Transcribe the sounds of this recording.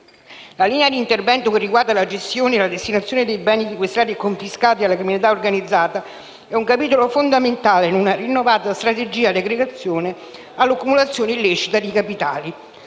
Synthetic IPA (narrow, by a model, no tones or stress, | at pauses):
laliːnead̪iːnt̪ervɛnt̪okerːiɡward̪alad͡ʒest̪joːneːlad̪est̪inat̪sːjoːned̪ejbɛːnisikwest̪ɾaːt̪iekːoɱfiskaːt̪ialːakɾiminit̪aorɡanid̪zːaːt̪a | ɛuŋkapiːt̪olofond̪ament̪aːleinunarinːovaːt̪ast̪ɾat̪ed͡ʒiːaleɡɾeɡat̪sːjoːne | alːokːumulat̪sːjoːneilːit͡ʃit̪ad̪ikapit̪aːli